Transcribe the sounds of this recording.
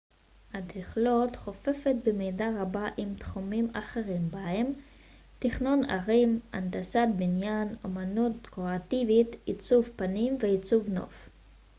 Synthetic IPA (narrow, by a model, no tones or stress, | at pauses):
hadhiχlot̪χo̞fe̞fet̚bemidaʁabaʔimt̪χumimaχeʁimbahem | tiχno̞na̰ʁimʔa̰ndasatbinjano̞̰manut̚kʁoativitit͡suvpanimveit͡suvno̞̰f